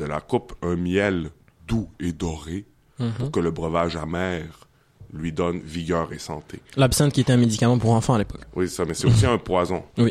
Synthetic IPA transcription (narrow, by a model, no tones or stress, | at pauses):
d̪əla̰kʊpɛ̃mjɛl | d̪ued̪ɔʁe | puʁkələbʁəvaʒamɛːʁ | lɥid̪ɔnviɡʲœːʁesɑ̰̃t̪ʰelapsɛ̃t̪̚kʲiet̪ɛɛ̃med̪ikamɑ̃puʁɑ̃fɑ̃alepɔ̥kwise̥samɛsɛt̪osiɛ̃pwazɔ̰̃wi